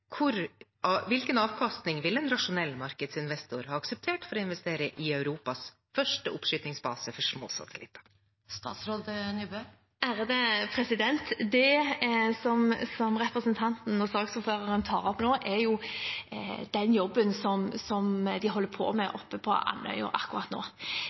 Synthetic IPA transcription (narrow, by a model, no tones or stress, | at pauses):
kʰʊɾ | ʋɪlkənɑːʋkʰɑst̪nɪŋʋɪlːɛnɾɑʂʊnɛlːmɑɾkəd̪sɪnʋɛst̪ʊɾhɑːɑksɛp̚t̪ʰeːʈfɔɾɔɪnʋɛst̪eːɾəʔɪœʉɾuːpɑs | fœʂʈəʊpʂʏt̪nɪŋsbɑ̰ːsəfɔʂmo̰ːsɑ̰t̪ʰəlɪ̰t̪ːɑ̥ | st̪ɑ̰ːt̪sɾoːd̪ənybø | ʔæɾəd̪əpʰɾɛsɪd̪ɛnt̪d̪ɛ | sɔmsɔmɾɛpɾəsənt̪ʰɑnt̪n̩ɔsɑːɡsuɾføːʁəɾənt̪ʰɑːʁɔpnoːʔɛɾjʊ | d̪̥ɛnjɔbːənsɔmsɔmd̪ɪɦɔlːəɾpʰo̰ːmɛʔɔpːəpʰɔ̰ʔɑ̰nːœ̰ʏə̰ɾɑ̰kʊʁɑt̪no̰ː